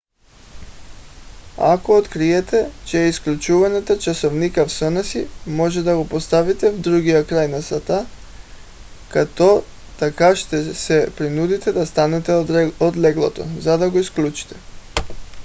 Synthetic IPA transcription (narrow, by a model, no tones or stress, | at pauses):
akoot̪kɾiɛt̪ɛt͡ʃɛisklʲut͡ʃuvanat̪at͡ʃasɔvnikafsənasimɔʒɛd̪aɡopost̪avit̪ɛvd̪ɾuɡijakɾajnasat̪a | kat̪ɔ | t̪akaʃt̪ɛsɛpɾinud̪it̪ɛd̪ast̪anɛt̪ɛod̪lɛɡlˠɔt̪ɔ̰zad̪aɡoisklʲˠut͡ʃi̥t̪ɛ̥